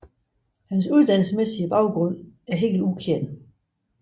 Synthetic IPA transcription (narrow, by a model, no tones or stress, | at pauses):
hæns̬uð̞ˠd̥æn̰l̩səmesiəb̥ɑ̈ʊɡ̥ʁɔ̽n̰æɐɦe̝̰ːɡl̩ukʰeɐnə